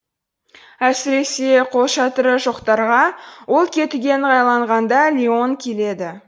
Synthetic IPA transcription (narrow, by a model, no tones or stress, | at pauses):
æsɪɾe̞se̞qʰo̞lˠʃɑt̪əɾəʒoqt̪ɑɾʁɑwo̞lˠkʲʰe̞t̪ɪɡʲe̞nʁɑjlˠɑɴʁɑnd̪ɑlʲio̞ŋkʲʰe̞le̞d̪ɪ